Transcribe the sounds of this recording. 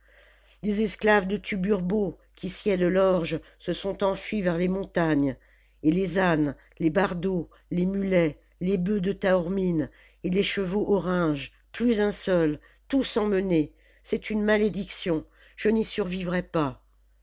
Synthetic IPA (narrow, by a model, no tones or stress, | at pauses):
lezɛsklavd̪ət̪ʰybyʁbo | kʲʰisjɛd̪əlɔʁʒsəsɔ̃t̪ɑ̃fɥivɛʁlemɔ̃t̪aɲ | elezan | lebaʁd̪o | lemylɛ | lebød̪ət̪aɔʁmin | eleʃəvoʔɔʁɑ̃ʒ | plyzɛ̃sœl | t̪usɑ̃məne | sɛt̪ynmaled̪iksjɔ̃ | ʒ̥ənisyʁvivʁɛpa